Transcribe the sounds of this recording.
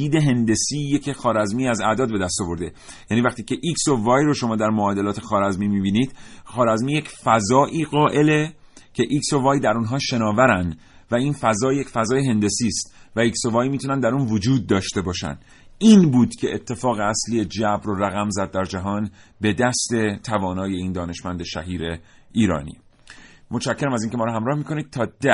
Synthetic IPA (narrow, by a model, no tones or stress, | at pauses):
iːd̪eɦe̞nd̪e̞siːjecʰexɒːɾæzmiːæzæd̪ɒːd̪̚be̞d̪æst̪ɒvo̞ɾd̪e̞ | jæːniːvæxt̪iːcʰe̞ʔiksovɒːjroʃo̞mɒːd̪æɾmoɒːd̪e̞lɒːt̪ʰe̞xɒːɾæzmiːmiːbiːniːd̪̥xɒːɾæzmiːje̞cfæzɒːʔiːɣɒːʔe̞le̞ | cʰe̞ʔikso̞vɒːjd̪æɾunɦɒːʃe̞nɒːvæɾænd̪ | væiːnfæzɒːje̞cfæzɒːjeɦe̞nd̪e̞siːst̪væiksovɒːjmiːt̪ʰunænd̪æɾuːnvod͡ʒuːd̪̚ːɒːʃt̪e̞bɒːʃæ̰n | iːnbuːd̪cʰe̞ʔet̪ʰːe̞fɒːɣeæslijed͡ʒæbɾoræɣæmzæd̪̚ːæɾd͡ʒæɦɒːn | be̞d̪æst̪e̞t̪ʰævɒːnɒːje̞iːnd̪ɒːne̞ʃmænd̪eʃæ̰ɦiːɾeiːɾɒ̰ːnḭːmot͡ʃʰæcʰːeɾæmæziːncʰe̞mɒːɾɔɦæmɾɒːhmiːko̞nid̪̚t̪ʰɒːd̪̥æ